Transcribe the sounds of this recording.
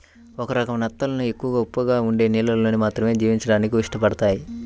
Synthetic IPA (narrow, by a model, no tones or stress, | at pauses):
ɔkɐɾɐkɐmɐnɐt̪ːɐlɐnue̞kːuʋɐɡaupːʋɐɡaːuɳɖe̞ːniːlɐllo̞ːnimaːt̪ɾɐme̞ːd͡ʒiːʋiɲt͡ʃɐɽaːnikiʋiʂʈɐpɐɽɐt̪aːji